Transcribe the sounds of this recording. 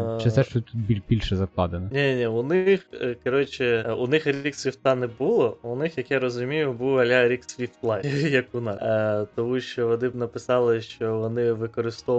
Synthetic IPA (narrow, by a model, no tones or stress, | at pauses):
t͡ʃɪsɛʃt͡ʃt̪ut̪̚bʲibʲilʲʃɛzɐklˠɑd̪enɔnʲɛnʲɛnʲɛʊnɪxkɔɾɔt͡ʃɪʊnɪxɾʲiksʲʋʲift̪ɑnɛbulˠɔʊnɪxjɐkjaɾɔzʊmʲijʊbuwɐlʲaɾʲiksʲʋʲift̪lˠɑjɐkʊnɑt̪ɔmuʃt͡ʃɔʋɐd̪ɪpnɐpɪsɑlˠɪʃt͡ʃɔʋɔnɪʋɪkɔɾɪst̪ɔ